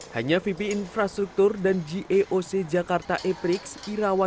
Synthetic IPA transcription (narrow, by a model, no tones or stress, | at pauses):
haɲafipiːnfɾast̪ɾuk̚t̪urdand͡ʒiʔeʔosed͡ʒakart̪aʔepɾɪksiɾawa